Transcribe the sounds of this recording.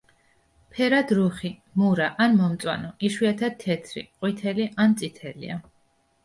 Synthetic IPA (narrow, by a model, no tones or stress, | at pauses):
pʰɛɾad̪ɾuχi | muɾaʔanmɔmt̪sʼwa̰nɔʔiʃwiat̪ʰat̪ʰːɛt̪sʰɾḭqʼwit̪ʰɛliʔant̪sʼit̪ʰɛlḭa̰